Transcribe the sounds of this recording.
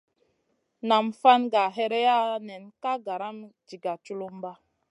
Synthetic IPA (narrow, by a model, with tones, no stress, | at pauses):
na˨mfa˦nɡa˨ɦɛ˦ɾɛ˦ja˦nɛ˨nka˦ɡa˨ɾa˦md͡ʒi˨ɡa˨t͡ʃu˦lo˦m˦ba˦